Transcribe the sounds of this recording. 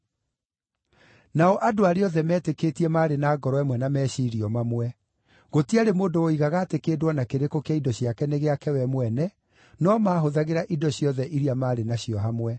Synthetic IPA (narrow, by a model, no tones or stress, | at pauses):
naɔʔadoaɾeɔðɛmɛːtekeːtiɛmaɾenaːɡɔɾɔwɛmwɛnamɛːɕiːɾiɔmamwɛ | ɣotiaɾemoːdooiɣaɣaːtekeːdwɔnakeɾekokeaidɔɕjakɛneɣeakɛwɛmwɛnɛ | nɔmaːɦoðaɣeɾaʔidɔɕjɔðɛʔiɾiamaːɾenaɕijɔɦamwɛ